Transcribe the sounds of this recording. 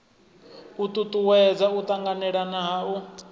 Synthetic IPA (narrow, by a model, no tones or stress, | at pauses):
ut̪ʼut̪ʼuwɛd͡zaut̪ʼaŋɡanɛɺanaɦau